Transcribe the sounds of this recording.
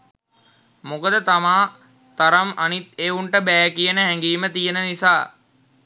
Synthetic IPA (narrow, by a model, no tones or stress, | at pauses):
mokəd̪ət̪amaː | t̪aɾamanit̪euɳʈəbæːkijənəɦɛŋɡiːmət̪ijənənisaː